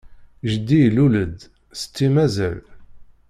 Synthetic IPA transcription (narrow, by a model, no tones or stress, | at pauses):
ʒəd̪ːiluləd̪ | st͡sːimæzæ̰l